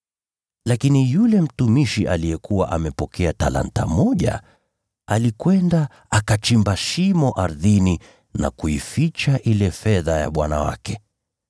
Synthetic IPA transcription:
lakinijulɛm̩tumiʃiʔalijɛkuwaʔamɛpɔkʰɛatala̰nta̰mɔʄa̰ | alikwɛnda | akat͡ʃimbaʃimɔʔaɾðini | na̰kuifit͡ʃaʔilɛfɛðaja̰ɓwanawa̰kɛ

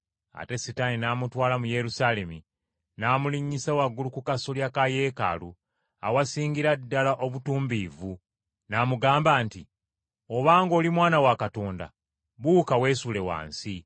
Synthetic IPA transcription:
a̰te̞sitaninaːmutwaːlamuje̞ɾusale̞mi | naːmuliɲːisawaɡːulukukasoljakaje̞ːka̰lu | a̰wasiːŋɡiɾadːalaʔo̞βutuːmbivu | namuɡaːmbaːnti | o̞βaːŋɡo̞ːlimwaːnawakato̞ːnda̰ | βuːkawe̞ːsule̞wa̰ːnsi

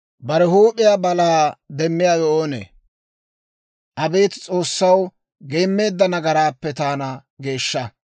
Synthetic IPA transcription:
bɐɾɛhuːpʼːɪjabɐlaːd̪ɛmːɪjaːjɔʔoːnḛː | ʔɐbeːt̪t͡sʼo̞ːsːɐw | ɡe̞ːmːe̞ːd̪ːɐnɐɡɐɾaːpːɛt̪aːnɐɡe̞ːʃːɐ

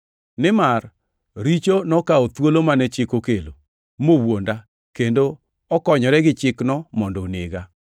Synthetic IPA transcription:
nɪmar | ɾit͡ʃonɔkaot̪wolomanɛt͡ʃɪkokelo | mowonda | kendo | ɔkɔɲɔɾɛɡɪt͡ʃɪknɔmɔndoneɡa

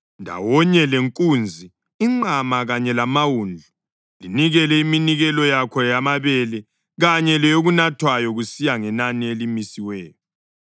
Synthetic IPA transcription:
ndʱa̰wɔɲɛleŋkʼuːnd͡zʱi | iŋ͡ǃamaɣaɲɛlamawund͡ɮʱu | liniɣɛlɛiminiɣɛlɔjakʰɔjamaβɛlɛ | ɣaɲɛlɛjoɣunatʰwajɔɣusijaŋɛnanielimisiwɛːjɔ

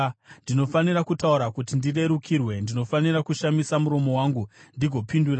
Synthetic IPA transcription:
ndino̞faniɾakutauɾakutindire̞ɾukʰirwe̞ndino̞faniɾakuʃamisamuɾo̞mo̞waːŋɡundiɡʱo̞pindura

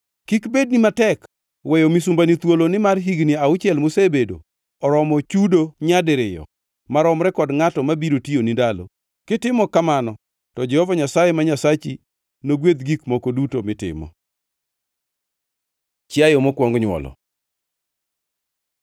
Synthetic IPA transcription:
kikbed̚nimatɛk | wɛjɔmisumbanit̪wolonɪmarɦiɡniaʊt͡ʃjɛlmʊsebedo̰ | ɔɾɔmɔt͡ʃudoɲadɪɾɪjɔ̰ | maɾɔmɾɛkɔdŋatɔmabiɾotionidalo̰ | kɪtɪmɔkamanɔ | tɔd͡ʒɛhɔvaɲasajɛmaɲasat͡ʃi | noɡwed̪ɡikmɔkodutomɪtɪ̰mɔ̰ | t͡ʃɪajɔmɔkwɔŋɡɲwɔ̰lɔ̰

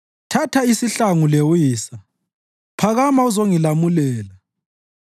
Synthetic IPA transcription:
tʰatʰaisiɬaŋulewiːsa | pʰaɣamauzoŋilamulɛːla

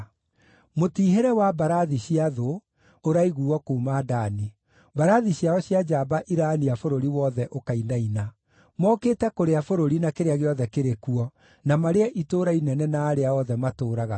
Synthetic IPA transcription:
motiːɦeɾɛwabaɾaðiɕiaðoː | ɾaiɣuːɔkuːmaːdani | baɾaðiɕjaɔɕjad͡ʒaːbaʔiɾaniafoɾoɾiwɔðɛʔokainaina | mɔkeːtɛkoɾeafoɾoɾinakeɾeaɣeɔðɛkeɾekuɔ | namaɾeɛʔitoɾainɛnɛnaːɾeaɔðɛmatoːɾaɣa

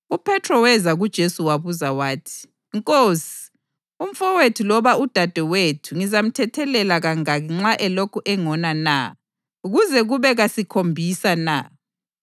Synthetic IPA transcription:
upʰɛtʰrɔwɛzaɣud̥ʒ̥ʱesuwaβuzawaːtʰi̥ | ŋkʼoːsi̥ | um̩fɔwetʰulɔβaud̥ʱad̥ʱɛwetʰuŋizam̩tʰɛtʰɛlɛlaɣaŋaɣiŋ͡ǁaʔɛlokʰuʔɛŋɔnana̰ | uɣuzɛɣuβɛɣasikʰombʱisana̰

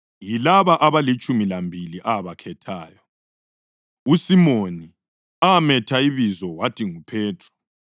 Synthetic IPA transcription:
jilaβaʔaβalit͡ʃʼumilambʱiliʔaβakʰɛtʰaːjɔ | usimoni | amɛtʰaiβizɔwatʰʼiŋupʰɛːtʰrɔ̥

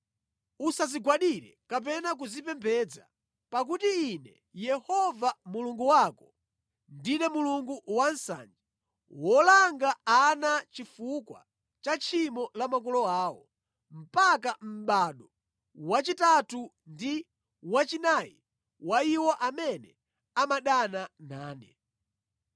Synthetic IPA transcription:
usaziɡwaɗiɾɛ̰kap̬ɛnak̬uzipɛmpʰɛd͡za | pak̬utiːnɛ | jɛhɔvamuluŋɡuwakɔ | ndinɛmuluŋɡuwan̩sa̰ːnd͡ʒi | wɔlaŋɡaːnat͡ʃifukwa̰ | t͡ʃat͡ʃʰimɔlamakɔlɔaːwɔ | m̩pakam̩ɓaɗɔ | wat͡ʃitatu | ndi | wat͡ʃinaji | waiwɔʔamɛnɛ | amaɗananaːnɛ

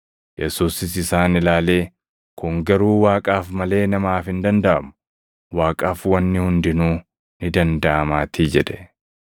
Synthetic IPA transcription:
jɛsuːsɪsɪsaːnɪlaːle̞ː | kʊŋɡɐɾuːwaːkʼaːfmɐle̞ːnɐmaːfɪnd̪ɐnd̪ɐʔɐmʊ̥ | waːkʼaːfwɐnːɪhʊnd̪ɪnuː | nɪd̪ɐnd̪ɐʔɐmaːt̪iːd͡ʒɛᶑ̪ɛ̥

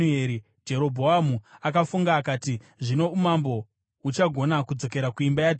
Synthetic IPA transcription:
e̞ɾi | d͡ʒe̞ɾo̞bʱo̞amuakafuŋɡaːkaːti | ʐino̞umambo̞ | ut͡ʃaɡʱo̞nakud͡zo̞ke̞ɾakuimbaja

